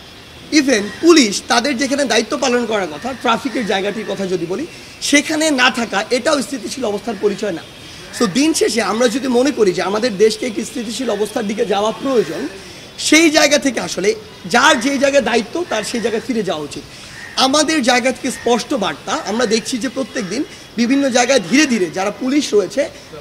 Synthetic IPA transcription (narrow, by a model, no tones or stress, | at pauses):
ibʱenpuliʃt̪ad̪eɾd͡ʑekʰaned̪ait̪ːopalonkɔɾaɾkɔt̪ʰaʈɾafikeɾd͡ʑaeɡaʈiɾkɔt̪ʰad͡ʑod̪iboli | ʃekʰanenat̪ʰakaʔeʈaost̪ʰit̪̬iʃʰilɔbost̪ʰaɾpoɾit͡ɕɔena̰ | sod̪inʃeʃ̬eamɾad͡ʑod̪imonekoɾid͡ʑeamad̪eɾd̪eʃkeekʈist̪ʰit̪̬iʃilɔbost̪ʰaɾd̪iked͡ʑaoapɾojod͡ʑon | ʃejd͡ʑaeɡat̪ʰek̬eaʃole | d͡ʑaɾd͡ʑejd͡ʑaeɡad̪ait̪ːot̪aɾʃejd͡ʑaeɡafiɾed͡ʑaoaut͡ɕit̪ | amad̪eɾd͡ʑaeɡat̪ʰe̥kespɔʃʈobaɾt̪aamɾad̪ek̚ʰt͡ɕʰid͡ʑepɾot̪ːek̚d̪in | bibʱinːod͡ʑaeɡaed̪ʱiɾed̪ʱiɾed͡ʑaɾapuliʃɾojet͡ɕʰe